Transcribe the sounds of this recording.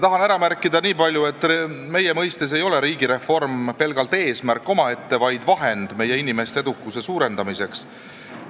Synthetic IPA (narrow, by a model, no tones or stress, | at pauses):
t̪ɑɦɑnæɾɑmærkːˑid̪̥ɑniːpɑlʲjue̞t̪ˑːme̞jemɤjst̪es̬e̞jo̞le̞ɾiːɡ̥iɾe̞fo̞rmpe̞lɡ̥ɑlt̪ˑe̞ːsmærkːˑo̞mɑe̞t̪ːe̞vɑjd̪̥vɑɦe̞nd̪̥me̞je̞inime̞st̪ee̞d̪ukːˑuse̞suːɾe̞nd̪ɑmise̞ks